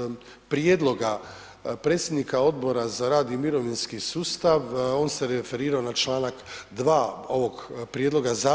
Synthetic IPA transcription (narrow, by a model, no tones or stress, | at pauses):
pɾjed̪lo̞ɡa | pɾet̪sʲje̞d̪nikao̞d̪bo̞ɾazaɾaːd̪imiɾo̞ʋinskisuːst̪aʋo̞ːnseɾefe̞ɾiːɾaonat͡ʃlaːnakd̪ʋaːo̞ʋo̞ɡpɾjed̪lˠo̞ɡaza